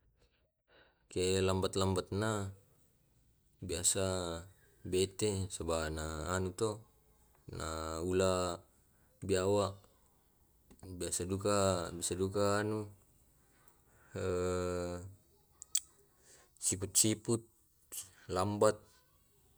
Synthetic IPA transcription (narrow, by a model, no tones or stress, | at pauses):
kelambat̪̚lambat̪̚na | biasa | bɛt̪esabanaːnut̪ɔ | na̰ula | biawaʔ | biasadukabiasadukaːnu | ə | sip̬ut̪̚siput̪̚ | lambat̪̚